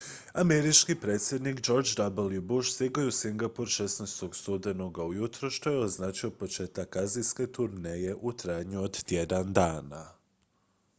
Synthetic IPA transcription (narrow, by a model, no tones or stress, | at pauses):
ame̞ɾit͡ʃkipɾe̞ːt̪sʲje̞d̪nikd͡ʒo̞ɾd͡ʒd̪abolibuʃsiɡojusiŋɡapuɾʃesnejst̪o̞ɡst̪ud̪e̞noɡaujut̪ɾoʃt̪o̞jeoznaːt͡ʃiopo̞t͡ʃe̞ːt̪akːaziske̞t̪uɾneje̞ʔut̪ɾaːjɲuod̪t̪je̞d̪and̪aːna